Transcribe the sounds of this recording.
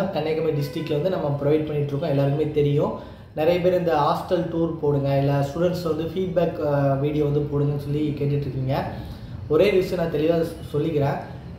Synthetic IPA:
kɐɳːɐɪkːɐmeːɖɪsʈɾɪkːlʋɐnd̪ɯnɐmːɐpɪɾɔʋɐɪʈ̚pɐɳːɪʈːɾɯkːʊ̃ɛlːaːɾɯkɯmeːt̪ɛɾɪjʊ̃ | nɪɾɐjɐp̬eːɾɪnd̪ɐɦaːsʈɐlʈuːɾpoːɽɯŋɡɐɛlːaːsʈuːɽɛɳʈsʋɐnd̪ɯfiːɖ̚baːkʋiːɽɪjoːʋɐnd̪ɯpoːɽɯŋɡɐnːɯsɔlːikeːʈ̬ːɪʈːɾɯkːiːŋɡɐ | ɔɾeːɾʋɪsɐ̃nãːt̪ɛɭɪʋaː | sɔlːɪkːɪɾẽː

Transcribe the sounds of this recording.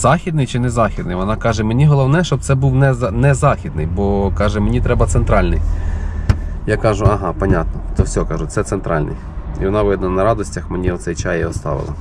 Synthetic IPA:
z̥ɑxʲid̪nɪjt͡ʃɪnɛzɑxʲid̪nɪ̰jʋɔnɑkɑʒɛmenʲiɦɔlˠɔwnɛʃt͡ʃɔbpt̪sɛbuwnɛnɛzɑxʲid̪nɪjbɔkɑʒɛmenʲit̪ɾɛbɐt̪sent̪ɾɑlʲnɪj | jakɑʒʊɐɦɑpɐnʲat̪nɔt̪ɔsʲɔkɑʒʊt̪sɛt̪sent̪ɾɑlʲnɪ̰jiʋɔnɑʋɪd̪nlˠɐnɐɾɑd̪ɔsʲtʲɐxmenʲiɔt̪sɛjt͡ʃɑjɛɔst̪ɑ̰ʋɪ̰lˠɐ̰

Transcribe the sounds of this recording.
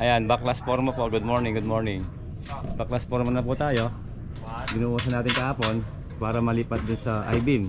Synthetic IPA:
ʔɐjanbaklaspoɾmɐpoɡud̪̚moɹnɪŋɡʊd̪moɹnɪŋ | baklaspoɾmɐnɐput̪aːjo | ɡɪnuwas̬ɐnaːt̪ɪŋkɐhaːpon | paːɾɐmɐliːpɐt̪̚d̪ʊnsɐʔa̰jbin

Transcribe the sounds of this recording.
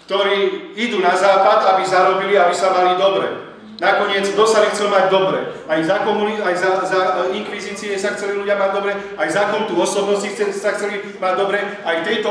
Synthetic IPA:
kt̪ɔɾiːid̪uːnazaːpad̪abizaɾɔbiliabisamalid̪ɔbɾɛ̰ | nakɔɲɪɛd͡zɡd̪ɔsabixt͡sɛlmaɟd̪ɔbɾɛ̰ | ajzakɔmuliajzazaiŋkʋiziːt͡siɛsaxt͡sɛliluɟɪamaɟd̪ɔbɾɛ | ajzakɔnut̪uɔsɔbnɔscixt͡sɛsaxt͡sɛli | maɟd̪ɔbɾɛajt̪ɛjt̪ɔ

